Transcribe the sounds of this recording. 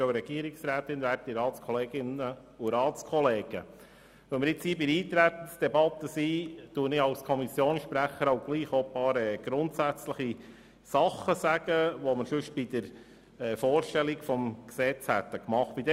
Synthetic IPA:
oɾɛɡ̥iəɾɪksɾæːt̪ɪnʋæːt̚iɾɑːtt͡skʰɔleːɡɪnə | uɾɑːtt͡skʰɔleːɡ̥ə | ʋœmɪɾɪt͡shiːbɪɾiːt̪ɾæt̪ən̩sd̥ɛbɑt̪ːəsiːt̪uənɪɑwskʰɔmisjoːnʃpɾæχəɾoʊɡ̥liːχopɑːɾɛːɡ̥ɾʊnt̪sæt͡sləχi | sɑχːəsæɡ̥əʋɔməɾsʉʃ̚b̥id̥̪əɾ | ɛːfoːɾʃtɛlikfɔmksɛt͡shæt̪ːəkmɑχt̚b̥id̪ɛ

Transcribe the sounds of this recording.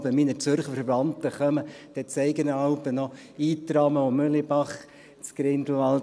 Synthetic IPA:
bəminət͡søɾχəfɛɾvɑnt̪əχœməd̪̥ɛt͡sɛɪɡənəɑlpənɔ | iːt̪ɾɑməomølibɑχ | t͡skɾɪnd̪l̩ɑl

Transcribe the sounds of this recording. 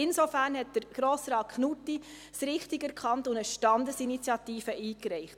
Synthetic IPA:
ɪnsofæɾnɦɛt̚d̥əɾɡ̥ɾoːsɾɑːt̚kχnutːi | sɾɪχtɪɡæɾkʰχɑntʊndəʃtɑndəsinit͡sjɑtiːfəʔiːkɾɛɪχt

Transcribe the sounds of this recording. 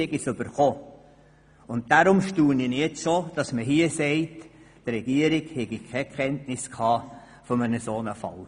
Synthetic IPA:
ɛɡisʏbəɾχoː | ʊnt̚daɾʊmʃtuːninɛtʃoːd̥ɑsməɦiəsɛɪt | tɾɛɡ̥iəɾiɡhɛɡikʰɛkχɛntnɪskʰɑː | fɔmənəsoːnəfɑ̰l

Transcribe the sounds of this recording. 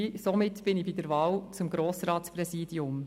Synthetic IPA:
somɪtb̥ɪnibid̪ɛɾvɑːwt͡sʊmɡɾoːsɾɑːtspɾɛziːdiʊm

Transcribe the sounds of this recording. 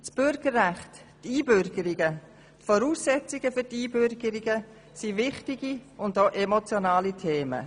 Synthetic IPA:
sb̥ʏɾɡ̥əɾːæχt | tiːbʏɾɡəɾiɡə | tfɔɾuːsɛt͡siɡ̥əføtiːbʏɾɡəɾiɡə | sivɪχtiɡiʊndoʔemot͡sjonɑːlitʰeːmə̰

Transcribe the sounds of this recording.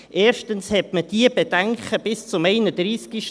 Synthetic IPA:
ʔeːɾʃtənshɛtməd̥iːəb̥ed̥ɛŋχəb̥ɪst͡sʊmɛɪnədɾiːskiʃ

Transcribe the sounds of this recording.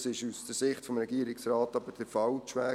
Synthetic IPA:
sɪʃusd̥əɾsɪχtfɔmɾɛɡiəɾɪksrɑːtɑbəd̥əfɑwʃʋæː

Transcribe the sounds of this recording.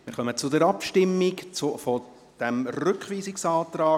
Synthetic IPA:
mmɪ̰ːɾχœmət͡sʊd̪ɛɾɑpʃtɪmːɪkt͡sʊfɔ | d̥ɛmrʏkχʋiːsɪksɑːt̪ɾɑː

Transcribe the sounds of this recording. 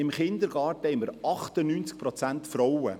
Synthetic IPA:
ɪmχɪnd̪əɾɡ̥ɑːrtəhɛɪməɾɑχt̪ənyːnt͡sk̚pɾɔt͡sænt̪fɾɔwə̰

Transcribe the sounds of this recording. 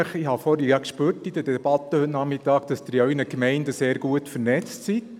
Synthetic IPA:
əχihɑfɔɾəjɑkʃpøːɾtid̥əd̥ɛb̥ɑt̪əhɵtnɑχmɪtɑːkd̥ɑsd̥ɪɾjœnəkmɛɪndəseːɾɡuətfəɾnɛt͡stsi

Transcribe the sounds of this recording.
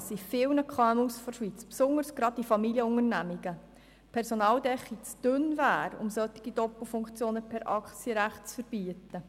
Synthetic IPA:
sifɪwnəkʰχɑɛmusfɔʃʋit͡spsʊŋəɾsɡ̥ɾɑd̚difɑmiljəʊŋərnæmiɡ̥ə | pʰɛɾsɔnɑːldɛχːit͡sd̥ʏnvæːɾʊ̰msœt̪iɡ̥idɔpl̩fʊŋkt͡sjoːnəpʰɛɾʔɑkt͡siəɾæχtt͡sfəɾb̥iətə

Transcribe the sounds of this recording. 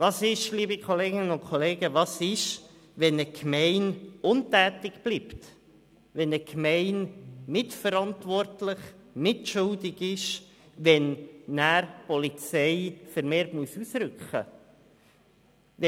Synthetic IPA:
vɑːsɪʃliːəbikʰχɔleːɡɪnənʊnkʰoɔleːɡəʋɑːsɪʃ | ʋɛnəkʰmɛɪnʊntæːtɪkb̥lipt | ʋɛnəkʰmɛɪnmɪtfəɾɑntʋɔrtlɪχmɪtʃʊldɪɡɪʃ | ʋɛnːæːɾpɔlit͡sɛɪfəɾmeːɾtmuəsusɾʏkχə̰

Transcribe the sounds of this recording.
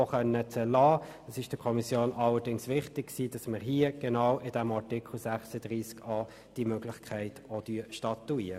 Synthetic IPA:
ɔχœnːət͡sɛlɑːd̥ɑsɪʃd̥əkʰɔmisjoːnʔɑlədɪŋsʋɪχtɪk̚ksiːd̥ɑsməʁɦiəɡ̥ɛnɑwʔɪd̥ɛmɑʁtɪkʰl̩sæχsəd̥ʁiːskɑː | d̥imøɡlɪχkʰæɪtodyəʃtɑtuiːə

